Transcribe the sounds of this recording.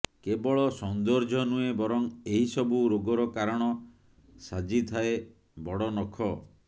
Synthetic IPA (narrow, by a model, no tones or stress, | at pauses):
kebɔɭɔsɔnd̪ɔɾd͡ʒʱɔnuebɔɾɔŋeɦisɔbuɾoɡɔɾɔkaɾɔɽ̃ɔ | sad͡ʒit̪ʰae | bɔɽɔnɔkʰɔ